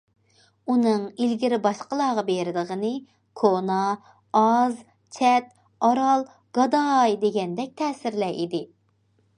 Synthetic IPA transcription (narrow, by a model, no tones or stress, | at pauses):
unɨŋilɡʲiɾɪbɑʃqəlˠɑːʁɑbeɾɪd̪əʁənɨ | kʰonɑː | ɑz | t͡ʃʰɛt̪̚ | ɑɾɑlˠ | ɡ̥ɑd̪ɑjd̪eɡʲɛnd̪ɛk̚ʲt̪ʰɛːsɪɾlɛʔid̪ɪ